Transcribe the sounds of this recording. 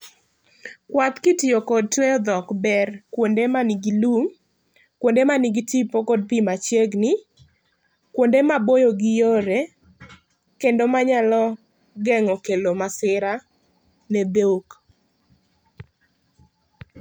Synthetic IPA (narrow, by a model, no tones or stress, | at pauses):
kwat̪kɪtɪokɔd̚twejɔd̪ɔkbɛrkwondemaniɡilum | kwondemaniɡitipokɔd̚pimat͡ʃjeɡnɪ | kwondemabojoɡɪjoɾe | kendomaɲalɔ | ɡɛŋɔkelomasɪɾa | nɛd̪ok